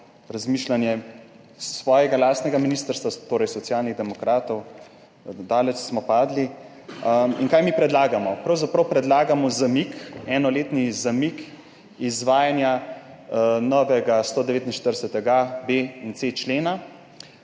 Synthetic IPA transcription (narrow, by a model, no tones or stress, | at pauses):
ɾazmiʃlanjɛ | sʋɔːjɛɡalaːst̪nɛɡaminiːst̪əɾst̪ʋat̪oːɾɛjsɔt̪sjaːlniɣd̪ɛmɔkɾaːt̪ɔw | d̪aːlɛt͡ʃsmɔpaːd̪li | inkaːjmipɾɛd̪laːɡamɔpɾɐwzapɾɐwpɾɛd̪laːɡamɔzamikɛːnɔleːt̪nizamik | izʋaːjanja | nɔʋɛɡast̪oːd̪ɛʋeːt̪inʃt̪əɾdɛsɛt̪ɛɡabeint̪set͡ʃleːna